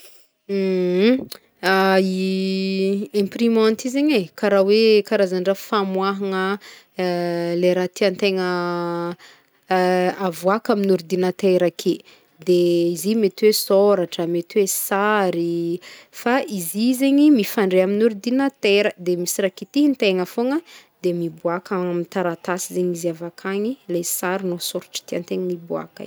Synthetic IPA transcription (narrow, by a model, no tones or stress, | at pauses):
ai | ɛ̃mprimãnt̪izeɲekaɾawekaɾazaɳɖ͡ʐəfamwaɦaŋə | leɾat̪iant̪eŋə | avuakaminuɾid̪inat̪eɾakʰe | d̪eizimet̪iwesoɾaʈ͡ʂəmet̪wesaɾifaʔizizeɲimifaɳɖ͡ʐeaminuɾid̪inət̪eɾəd̪emisiɾakit̪iɦint̪eŋəfoŋəd̪emibuakamit̪aɾat̪asizeɲiziavakʰaɲilesaɾinosoɾḁʈ͡ʂə̥t̪iant̪eŋnibua̰ka̰